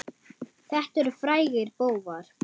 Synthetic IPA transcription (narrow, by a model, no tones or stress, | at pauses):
θɛht̪ɛɾʏfɾaːjɣɪɾpoːwvaɾ̥